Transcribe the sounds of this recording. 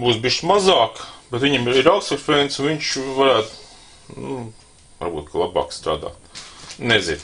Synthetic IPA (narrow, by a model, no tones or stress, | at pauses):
buːsbʲiːʃt̪mazaːkb̥ʲɛt̪ʋʲiɲɛmiɾaʊksɛkfent̪sunʋiɲʲʃvaɾæːt̪ | nu | va̰ɾbuːt̪̚kalˠaba̰ːkst̪ɾa̰ːd̪a̰ːt̪nɛzɪn